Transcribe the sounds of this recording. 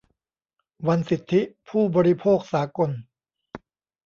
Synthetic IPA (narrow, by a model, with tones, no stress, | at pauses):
wa˧nsi˨˩t̪ʰːi˦˥pʰuː˥˩bɔː˧ɾi˦pʰoː˥˩k̚saː˩˦ko˧n